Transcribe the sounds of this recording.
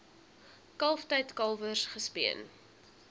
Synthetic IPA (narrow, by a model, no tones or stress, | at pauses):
kɐlˠftɛjtkɐlˠvərsχəspiən